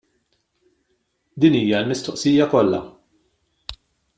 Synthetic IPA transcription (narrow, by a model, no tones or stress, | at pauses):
d̪iːniːjɐlmɪst̪ɔʔsiːjɐkɔlːɐ̰